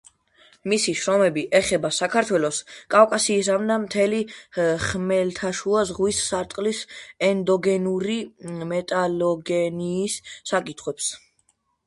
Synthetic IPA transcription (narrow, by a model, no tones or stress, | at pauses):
misiʃɾɔmɛbiʔɛχɛbasakʰaɾt̪ʰwɛlɔskʼawkʼasiːsamd̪amt̪ʰɛliχmɛlt̪ʰaʃuazʁwisːaɾt̪ʼqʼlisɛnd̪ɔɡɛnuɾimɛt̪ʼalɔɡɛniːsːakʼit̪ʰχwɛps